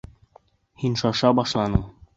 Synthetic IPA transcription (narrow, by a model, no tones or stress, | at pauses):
hinʃɑʃɑbɒʃlˠɑnɤm